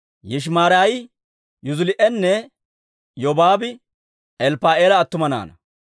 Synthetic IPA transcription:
jɪʃ̬maːɾaːj | jʊzʊlɪʔɛnːɛ | jɔbaːbɪ | ɛlpaːeːlɐːt̪ːʊmɐna̰ːnɐ

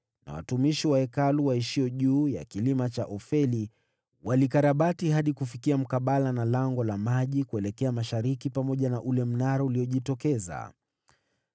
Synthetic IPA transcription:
na̰wa̰tumiʃiwaɛkaluwaiʃiɔʄuːja̰kilimat͡ʃaʔɔfɛli | walikaɾaɓatiɦaɗikufikiam̩kaɓalanalaŋɡɔlamaʄikuɛlɛkɛamaʃaɾikipamɔʄanaʔulɛm̩naɾauliɔʄitɔkɛza̰

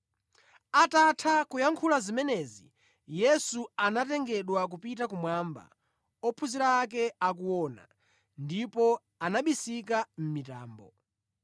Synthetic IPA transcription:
atatʰakujaŋkʰulazimɛnɛzi | jɛsuanatɛŋɡɛɗwak̬upitakumwamba̰ | ɔpʰuziɾaːk̬ɛakuwɔːna̰ | ndipɔ | anaɓisikam̩mita̰ːmbɔ̰

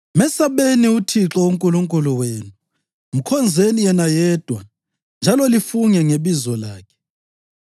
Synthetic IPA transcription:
mɛsaβeniutʰiǁɔuŋkʼuluŋkʼuluweːnu | m̩kʰɔnd͡zʱenijɛnajɛːd̥ʱwa | nd͡ʒʱalɔlifuŋɛŋeβizɔlaːkʰɛ̥

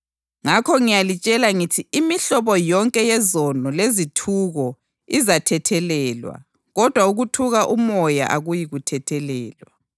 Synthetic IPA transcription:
ŋakʰɔŋijalit͡ʃʼɛlaŋitʰiːmiɬɔβɔjɔŋkʼɛjɛzɔnɔlezitʰuɣɔ | izatʰɛtʰɛlɛlwa̰ | ɣɔd̥ʱwauɣutʰuɣaʔumɔja̰ʔaɣujiɣutʰɛtʰɛlɛːlwa

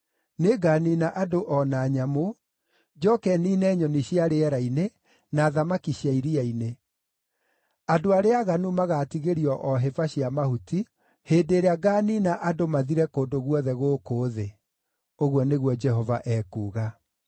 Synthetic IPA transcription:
neɡaːninaʔadoʔɔnaɲamo | d͡ʒɔkɛninɛːɲɔniɕiaɾeɛɾaine | naːðamakiɕiaiɾiaine | adoaɾeaɣanumaɣatiɣeɾiɔʔɔɦɛvaɕiamahuti | hedeɾeaɡaninaʔadomaðiɾɛkoːndoɣwɔðɛɣoːkoːðe | oɣwɔneɣwɔd͡ʒɛhɔvaʔɛːkuːɣa

